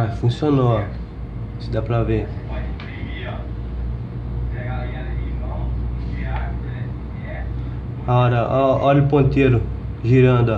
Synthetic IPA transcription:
fũsiono | sɪd̪apɾɐve | aɔɾɐɔɔlʊpõt̪eɾʊ | ʒiɾɐ̃d̪ʊ

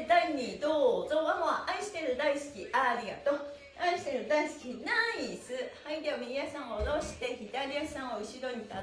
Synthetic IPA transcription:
d̪aiɲʲːid̪ozoβamaʔaiɕi̥t̪e̞ɾɯ̟d̪aisɨ̥kʲiʔaɾʲiɡa̰t̪o | aiɕi̥t̪e̞ɾɯ̟d̪aisɨ̥kʲinaisɨhaĩd̪emiiasãŋ̃ooɾoɕi̥t̪eçit̪aɾʲiasãŋ̃oɯɕid̪oit̪a

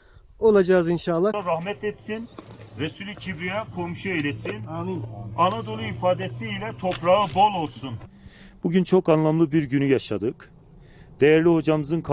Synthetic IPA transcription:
o̞lˠad͡ʒaɯzinʃalˠːaɾahmɛt̪et̪sinɾesylʲicʰibɾijakʰo̞mʃuejlʲesin | anad̪o̞lˠuifaːd̪esiːlʲɛt̪ʰo̞pɾaɯbo̞lˠo̞lˠsun | b̥uɟynt͡ʃʰo̞kanlˠamlˠɯbiɾɟynyjaʃad̪ɯk | d̪̥ejæɾlʲiho̞d͡ʒamɯzɯnkʰ

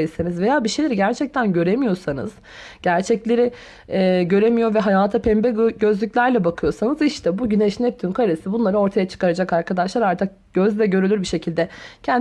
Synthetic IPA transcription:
isenizvejaːbiʃejlʲeɾiɟæɾt͡ʃʰɛc̚t̪ʰænɟø̞ɾemijo̞sanɯ̰z̥ | ɟ̥æɾt͡ʃʰɛclʲe̞ɾɪ | ɛːɟø̞ɾe̞mijo̞ɾvɛɦajaːt̪ʰapʰɛmbɛɟø̞zlʲycʲlʲæɾlʲɛbakʰɯjo̞sanɯziʃt̪ʰɛbuɟynɛʃnɛp̚t̪ʰynkʰaɾesibunlˠaɾɯo̞ɾt̪ʰajat͡ʃʰɯ̥kaɾad͡ʒakaɾkʰad̪aʃlˠaɾaɾt̪ʰɯk̚ɟ̥øzd̪ɛɟø̞ɾylʲyɾbiʃe̞cʰilʲd̪ɛcʰɛn

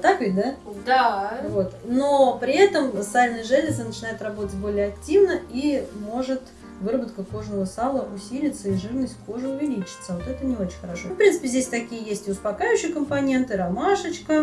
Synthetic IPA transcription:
t̪akɨd̪ad̪avo̞t̪no̞pɾʲɪɛt̪əmsalʲnəjəʐɛlʲɪzənət͡ɕɪnajɪt̪rɐbo̞t̪ətʲbo̞lʲɪjəɐk̚tʲivnəimo̞ʐɨt̪ | vɨrəbət̪̚kəko̞ʐnəvəsalˠəʔʊsʲilʲɪt̪səiʐɨrnəsʲt̪ʲfko̞ʐɨʊvʲɪlʲit͡ɕɪ̥t̪səvo̞t̪ɛt̪ənʲɪo̞t͡ɕɪnʲxəɾɐʂo̞fpɾʲint̪sɨpʲɪzʲdʲesʲt̪ɐkʲijəjesʲtʲɪʊspɐkajʉɕːɪjəkəmpɐnʲe̞nt̪ɨɾɐmaʂət͡ɕkə

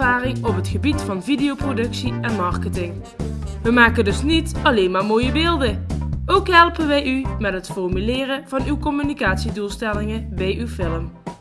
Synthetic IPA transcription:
aːrɪŋɔpɦətχəbitfɑnvidijowprodɵksiɛnmɑɹkətɪŋ | ʋəmaːkəndɵsnitɑlejnmaːɹmoːjəbɪːlˠdəowkɦɛlˠpənʋɛjymɛtɦətfɔɹmylɪːrənvɑnywkɔmynikaːtsidulˠstɛlɪŋənbɛjʔywfɪləm

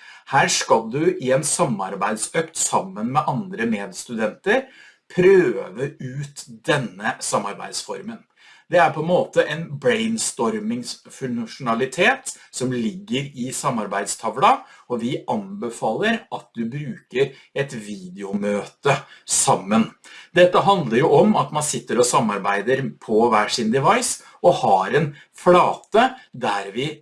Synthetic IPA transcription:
hæːʂkɑlˠd̪ʉʔɪɛnsɑmːɑɾbæɪd̪søːkt̪sɑmːənmɛʔɑnd̪ɾəmeːd̪st̪ʉd̪ɛnt̪əɾ | pʰɾøːʋəʉːt̪d̪̥ɛnːəsɑmːɑɾbæ̰ɪd̪sfɔ̰ɾmən | d̪ɛæɾpʰɔɛnmoːt̪əʔɛnbɾɛɪnst̪ɔɾmɪŋsfʉŋʂʊnɑlɪt̪ʰeːt̪sɔmlɪɡːəɾɪsɑmːɑɾbæɪd̪st̪ʰɑʋlɑɔʋɪʔɑnbəfɑːlːəɾɑt̪̚d̪ʉbɾʉːkəɾ | ɛt̪ʋiːd̪ɛʊmøːt̪əsɑmːənd̪ɛt̪ːəɦɑnd̪ləɾjʊʔɔmɑt̪mɑnsɪt̪ːəɾɔsɑmːɑɾbæɪd̪əɾpʰɔʋæːʂɪnd̪ɛʋɑɪs | ɔhɑɾɛn | flɑːt̪əd̪æɾʋɪ

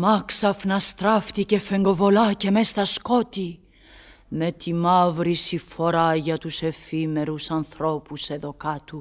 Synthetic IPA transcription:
mɐksɐfnɐst̪ɾɐft̪ice̞fe̞ŋɡo̞vo̞lɐce̞mest̪ɐsko̞t̪i | me̞t̪imɐvɾisifo̞ɾɐʝɐt̪use̞fime̞ɾusɐnθɾo̞puse̞ðokɐt̪u

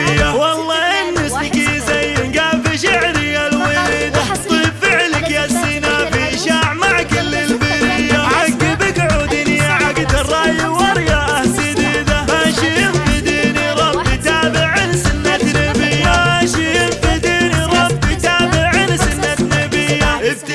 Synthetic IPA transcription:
ɪawɑlˤːɑːʔɪnːʊsnkizajːnɡaːfiʃaʕɾɪjalwɪliːd̪at̪ˤiːbfɪʕlɪkjasinafiʃaːʕmaʕkɪlːɪlbɪɾɪjaħaɡibɪkʕud̪ɪnijaʕaɡt̪ɑrˤːɑːjɪwɑɾˤjaʔahtid̪iːd̪ahaʃijɪnfid̪iːniɾˤɑbit̪aːbɪʕɪnsɪnːat̪nɪbɪjːaaʃijɪnfid̪iːniɾˤɑbit̪aːbɪʕɪnsɪnːat̪nɪbɪjːaʔɪb̚t̪

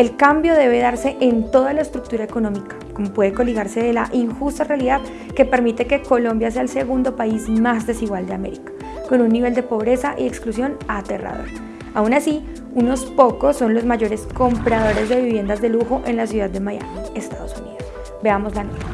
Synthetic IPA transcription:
e̞lkambjo̞ðe̞β̞e̞ð̞aɾse̞ʔent̪o̞ð̞alaest̪ɾuk̚t̪uɾaeko̞nõ̞mikḁko̞mo̞pwe̞ðeko̞liɣaɾse̞ðela̰ʔiŋxust̪arealiðað | ke̞pe̞ɾmit̪e̞ke̞ko̞lo̞mbjas̬e̞aelse̞ɣund̪o̞paizmazd̪e̞siɣwald̪eame̞ɾikḁ | ko̞nunːiβe̞ld̪e̞po̞β̞ɾe̞saʔie̞ksklusjo̞nat̪e̞̰ra̰ðo̰ɾ | aunasi | uno̞spo̞ko̞sːo̞nlozmaʝo̞ɾe̞sko̞mpɾað̞o̞ɾe̞zd̪e̞βiβje̞nd̪azd̪e̞luxo̞ʔe̞nlasjuðad̪ːe̞maja̰mie̞st̪að̞o̞sunḭðos | be̞amo̞zlanot̪a

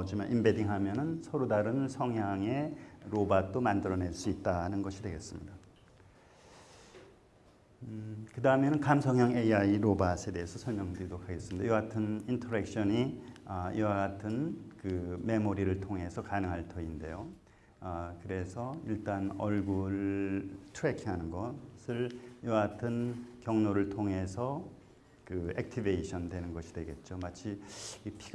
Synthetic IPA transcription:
d͡ʑima̰nʔimbediŋɦamjʌnɯnsʰʌɾodaɾɯnsʰʌŋɦjaŋe̞ɾobat͈omandɯɾʌne̞ɭs͈uit̚t͈anɯnɡʌɕʰidwe̞ɡe̞s͈ɯmɲida | kɯdaɯmenɯnkamsʰʌŋɦjaŋeiaiɾobasʰe̞de̞ɦesʰʌsʰʌɭmjʌŋdɯdokʰaɡe̞s͈ɯmɲida̰jɡatʰɯnintʰʌɾe̞k̚ɕ͈ʌɲiʌiwaɡatʰɯnkɯme̞moɾiɾɯɭtʰoŋɦe̞sʰʌkanɯŋɦaɭtʰʌinde̞jo | kɯɾe̞sʰʌiɭt͈anʌɭɡuɾ | tʰuɾekʰiɦanɯnɡʌsʰɯɭiwaɡatʰɯnkjʌŋnoɾɯɭtʰoŋe̞sʰʌ | kɯek̚tʰibeiɕʰʌndwe̞nɯnɡʌɕʰi̥dwe̞ɡe̞t̚t͡ɕ͈omat͡ɕʰikipʰi

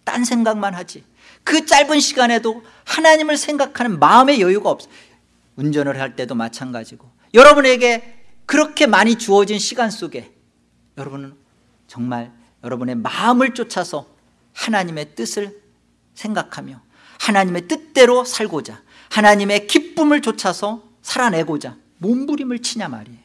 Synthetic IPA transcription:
t͈a̰nsʰeŋɡaŋmanɦad͡ʑi | kɯt͡ɕ͈aɭbɯnɕʰiɡane̞do | hanaɲimɯɭsʰe̞ŋɡakʰanɯnmaɯme̞jʌjuɡaʌp̚s͈ | und͡ʑʌnɯɭhaɭt͈e̞domat͡ɕʰanɡad͡ʑiɡo | jʌɾʌbune̞ɡe̞ | kɯɾʌkʰe̞maɲit͡ɕuʌd͡ʑinɕʰiɡans͈oɡe̞ | jʌɾʌbunn | t͡ɕʌŋmaɭ | jʌɾʌbune̞maɯmɯɭt͡ɕ͈ot͡ɕʰasʰʌ | hanaɲime̞t͈ɯsʰɯɭ | sʰe̞ŋɡakʰamjʌ | hanaɲime̞t͈ɯt͈e̞ɾosʰaɭɡod͡ʑa | hanaɲime̞kip͈umɯɭt͡ɕot͡ɕʰasʰʌ | sʰaɾane̞ɡod͡ʑa | mombuɾimɯɭt͡ɕʰiɲama̰ɾie

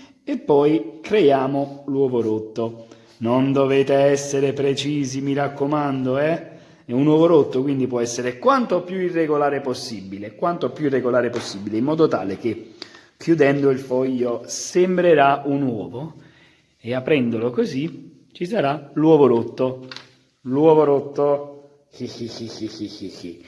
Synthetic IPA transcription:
epːɔjkɾejaːmolwɔːvoɾot̪ːo | nond̪oveːt̪eɛsːeɾepɾet͡ʃiːzimiɾakːomand̪oɛ | ɛunwɔːvoɾot̪ːokwind̪ipwɔɛsːeɾekwant̪opjuirːeɡolaːɾeposːibːilekwant̪opjuirːeɡolaːɾeposːibileimːɔːd̪ot̪a̰ːleke | kjud̪ɛnd̪oilfɔjːosembɾeɾaunwɔːvo | eapːɾɛnd̪olokozi | t͡ʃis̬aɾalwɔːvoɾot̪ːo | lwɔːvoɾot̪ːo | ixixixiixii

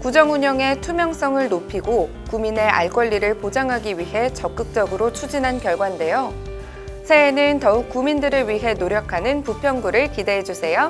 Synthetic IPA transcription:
kud͡ʑʌŋuɲʌŋe̞tʰumjʌŋs͈ʌŋɯɭnopʰiɡo | kumine̞ʔa̰ɭk͈wʌʎːiɾɯɭpod͡ʑaŋɦaɡiɥiɦe̞t͡ɕʌk̚k͈ɯk̚t͡ɕ͈ʌɡɯɾot͡ɕʰud͡ʑinɦankjʌɭɡwande̞jo | sʰe̞ːnɯntʌuk̚k͈umindɯɾɯɭɥiɦe̞noɾjʌkʰanɯnpupʰjʌŋɡuɾɯɭkide̞ɦed͡ʑusʰe̞jo

